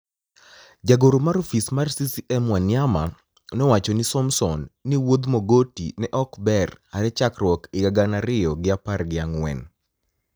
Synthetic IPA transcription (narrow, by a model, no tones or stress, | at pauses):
d͡ʒaɡoɾomaɾofismarsisiʔɛmwanɪama | nɔwat͡ʃɔnɪsɔmsɔnːiwod̪moɡotḭnɛʔɔkbɛraɾɛt͡ʃakrwɔkɪɡaɡanaɾɪjɔɡɪaparɡɪaŋwɛ̰n